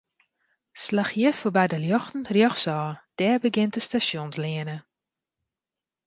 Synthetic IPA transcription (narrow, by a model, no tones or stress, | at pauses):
slaxjəfobɛjdəljɔxtn̩rjɔxsɔːd̥ɛːrbəɡɪntəstasjonslɪənə